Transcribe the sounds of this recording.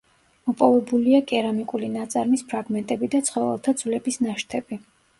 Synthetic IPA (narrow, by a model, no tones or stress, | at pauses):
mɔpʼɔvɛbuliakʼɛɾamikʼulinat̪sʼaɾmispʰɾaɡmɛnt̪ʼɛbid̪at̪sʰχɔvɛ̰lˠt̪ʰad̪z̥vlɛbisnaʃt̪ʰɛbi